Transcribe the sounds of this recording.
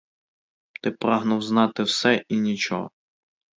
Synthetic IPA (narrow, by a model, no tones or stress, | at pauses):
t̪ɪpɾɑɦnʊwznɑt̪ɪwsɛʔinʲit͡ʃɔ̰ɦɔ̰